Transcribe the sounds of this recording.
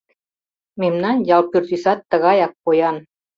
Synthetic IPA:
memnɑnjɑlˠpyrt̪ysɑt̪ːɤ̆ɣɑjɑk̚pojɑn

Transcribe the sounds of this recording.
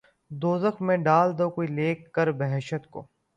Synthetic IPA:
d̪oːzəxʰmẽɖaːld̪oːkoːileːkːəɾbəɦɛʃət̪ko̰ː

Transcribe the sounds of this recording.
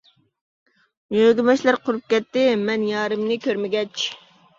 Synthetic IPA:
jøɡʲɪmɛʃlæɾqʰʊɾup̚kʲɛt̪ːɪmɛnjɑːɾɨmnɪkʲøɾmɪɡʲɛt͡ʃ

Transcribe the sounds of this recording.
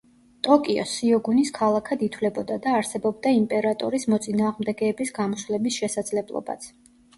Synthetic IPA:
t̪ʼɔkʼiɔ̰siɔɡuniskʰalˠakʰad̪it̪ʰwlɛbɔd̪ad̪aːɾsɛbɔb̚d̪aimpʼɛɾat̪ʼɔɾismɔt̪sʼinaːʁmd̪ɛɡɛːbisɡamɔslɛbisʃɛsad̪zlɛblˠɔ̰ba̰t̪sʰ

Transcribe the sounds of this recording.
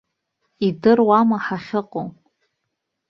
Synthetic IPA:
idɨrwamaħaχʲɪqʼo

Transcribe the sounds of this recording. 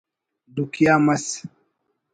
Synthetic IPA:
dukiamas

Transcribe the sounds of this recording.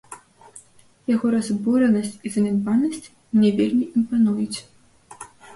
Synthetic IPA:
jaɣɔɾazbɔɾɛnɐsʲt͡sʲizɐmʲɛnvanɐsʲt͡sʲ | mnʲɛvʲelʲmʲiʔimpanujut͡sʲ

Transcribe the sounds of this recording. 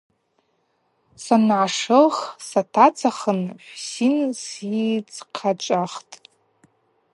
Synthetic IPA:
sanʕaʂɨlχsatʰat͡sʰaχənħʷsinsit͡sʰʼqʰat͡ʃʷʼaχtʼ

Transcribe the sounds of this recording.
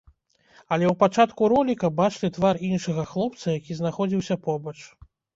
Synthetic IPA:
ɐlʲɛwpat͡ʂat̪kuɾɔlʲikɐbat͡ʂlʲit̪varinʂɐɣɐxlˠɔp̚t̪sɐjakʲiznaxɔd͡zʲiwsʲɐpɔbɐt͡ʂ

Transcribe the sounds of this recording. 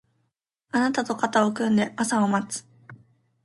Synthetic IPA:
anat̪at̪o̞kat̪ao̞kɯ̟̃nd̪e̞ʔasaomat͡sɨ̥

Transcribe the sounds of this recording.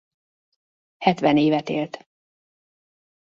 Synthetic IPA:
hɛt̪ʋɛneːvɛt̪eːlt̪

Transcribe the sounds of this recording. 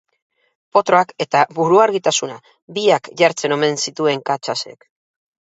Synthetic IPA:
po̞t̪ɾo̞ake̞t̪aβuɾuaɾɣit̪asuna | biakʝaɾt͡se̞no̞me̞nsit̪ue̞ŋkat͡ʃasḛk

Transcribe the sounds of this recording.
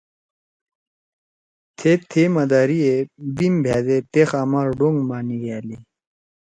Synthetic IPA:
t̪ʰet̪ʰemɐd̪aːɾiebimbʱjaːd̪et̪exaːmaɾɖoŋɡmaːniɡaːli

